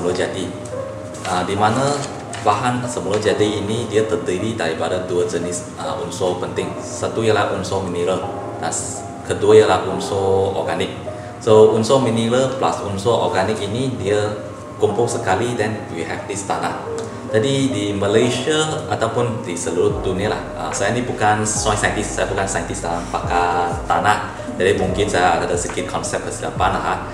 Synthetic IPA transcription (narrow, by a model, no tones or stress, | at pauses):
mulod͡ʒadi | adimana | baɦansəmuləd͡ʒadiinidiət̪ədəlidaɾipadaduəd͡ʒənis | ə̰ʔunsɔpənt̪ɪ̃ŋ | sət̪ujəlahʔunsɔminiɾə | ãs | kʰəduəjəlahunsɔɔ̰ɡanɪk̚ | sounsɔminiɾəplasunsɔʔɔ̰ɡanɪk̚inidiə | kũmpʊŋsəkalidɛ̃nwihɛfdist̪ana | d͡ʒadidiməleʃəʔat̪aʊpũndisəluut̚dunəlahʔa̰soɛ̃nibukãnsãjsãjə̃ntissajbukãnsãjə̃ntistaaŋpakat̪ana | d͡ʒademũŋkĩnsaadədəsikikʰɔ̃nsɛp̚kəsida̰pãnlaɦa